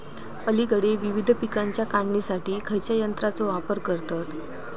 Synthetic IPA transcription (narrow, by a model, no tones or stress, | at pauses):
pəlikəɽeʋiʋid̪ʱpikaɲt͡ɕjakaɳːisaʈiːkʰəjt͡ɕjajənt̪ɾat͡soʋapəɾkəɾt̪at̪